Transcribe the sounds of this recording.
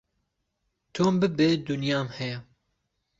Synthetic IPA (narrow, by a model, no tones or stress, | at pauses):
t̪ʰoːmbɨbeːd̪ʊnjɑːmhɛjɛ